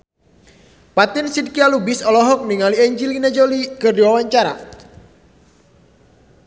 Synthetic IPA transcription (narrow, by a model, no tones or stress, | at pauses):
pat̪ɪnsid̚kialubɪsɔlɔɦɔk̚niŋaliɛɲd͡ʒilinad͡ʒolikərdiwawaɲt͡ʃaɾa̰